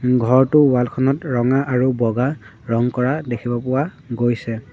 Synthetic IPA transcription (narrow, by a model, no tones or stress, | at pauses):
ɡʱɔɹtʊwalkʰɔnɔtɹɔŋaʔaɹubɔɡa | ɹɔŋkɔɹadekʰibɔpʊwa | ɡojsɛ